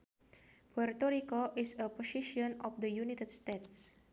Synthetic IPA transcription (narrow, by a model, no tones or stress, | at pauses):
pɔrt̪ɔɾikoʔisəpɔsiʃiɔnɔfd̪əjunit̪ədst̪et̪s